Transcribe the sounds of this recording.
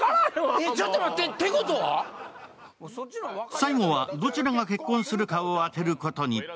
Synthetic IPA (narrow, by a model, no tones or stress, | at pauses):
et͡ɕat̪ːeɾat̪et̪ːekot̪oβa̰ | saimoβad̪o̞t͡ɕiɾaɡake̞kːõɰ̃sɨɾɯ̟kaoat̪e̞ɾɯ̟ko̞t̪o̞ɲ̟i